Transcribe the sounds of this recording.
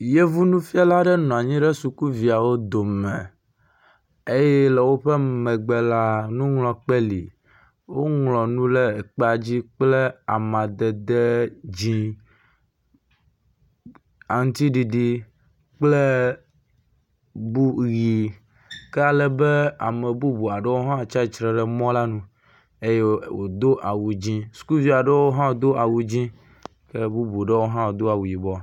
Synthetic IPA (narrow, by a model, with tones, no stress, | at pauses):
je˦vu˦nũ˦fi˦a˦la˦ɖɛ˦nɔ̃˨a˨ɲĩ˦ɖɛ˦su˨ku˦vi˨a˨wo˦d̪o˨mɛ̃˨ | e˦jɛ˦lɛ˨wo˦ɸɛ˦mɛ̃˨ɡ͡bɛ˨la˦nũ˦ŋlɔ̃˨k͡pɛ˦lḭ˨ | wo˦ŋlɔ̃˨nũ˦lɛ˦ɛ˨k͡pɛ˦a˨d͡ʑi˦k͡plɛ˦a˨mã˨d̪ɛ˨d̪ɛ˦d͡ʑĩ˦ | a˨ŋũ˦t̪i˦ɖi˨ɖi˨ | k͡ple˦ | bu˦ɣi˨ | kɛ˦a˨lɛ˦bɛ˦a̰˨mɛ̃˨bu˦bu˨a˨ɖe˦wo˦ɦã˦˨t͡ʃa˦i˨˦t͡ʃɾɛ˨ɖɛ˨mɔ̃˦la˦nũ˨ | e˦jɛ˦wo̰˨d̪o˦ʔa˨wu˨d͡ʑĩ˦su̥˨ku˦vi˦a˨ɖe˦wo˦ɦã˦wd̪o˦ʔa˨wu˨d͡ʑĩ˦ | ke˦bu˦bu˨ɖe˦wo˦ɦã˦wo˨d̪o˦a˨wu˨ji˨bɔ˦˨